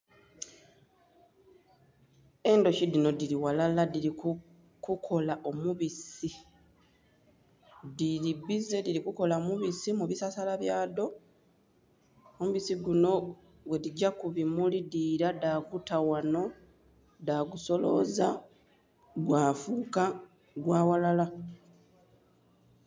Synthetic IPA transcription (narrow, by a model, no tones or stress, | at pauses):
e̞ndo̞cidino̞diliwalaladilik | kukʰo̞laʔo̞muβisi | dilibize̞diɾikuko̞laomuβisimuβisasalaβjaːdo̞ | omuβisiɡuno̞ | wediɟakuβimulidiːɾadaɡutawano̞ | daɡuso̞lo̞̰za | ɡwaːfuːka | ɡwaːwalala